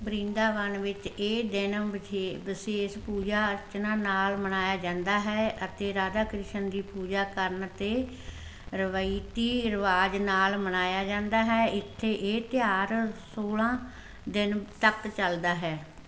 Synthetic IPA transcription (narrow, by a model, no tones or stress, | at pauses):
bɾĩːnd̪aːʋənʋɪt͡ʃeːd̪ɪnebɪseːspuːd͡ʒaːət͡ʃnãːnaːlmənaːjaːd͡ʒãːnd̪aːɦɛːʔət̪eːɾaːd̪aːkɾɪʃənd̪iːpuːd͡ʒaːkəɾnt̪eː | ɾəʋait̪iːɾəʋaːd͡ʒnaːlmənaːjaːd͡ʒãːnd̪aːɦɛːʔɪt̪ʰːeːʔeːt̪ɪjaːɾsoːlãː | d̪ɪnt̪əkt͡ʃəld̪aːɦɛː